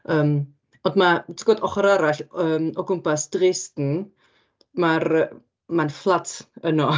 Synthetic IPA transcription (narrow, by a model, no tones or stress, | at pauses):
əːm | ɔndmatʰɡ̥oːdɔχɔɾaɾaɬəːmɔɡʊmpasd̥reːstn̩ | maɾə | manflˠatʰənɔ